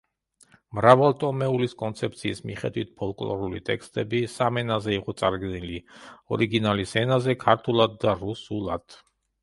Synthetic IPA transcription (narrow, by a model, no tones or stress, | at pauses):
mɾavalt̪ʼɔmɛuliskʼɔnt̪sʰɛp̚t̪sʰiːsmḭχɛ̰d̪wit̪̚ʰpʰɔlˠkʼlˠɔ̰ɾulḭt̪ʼɛkst̪ʼɛbisamɛnazɛiqʼɔt̪sʼaɾɡniliɔɾiɡinalisɛnazɛkʰaɾt̪ʰulˠad̪̚ːaɾusulˠad̪̥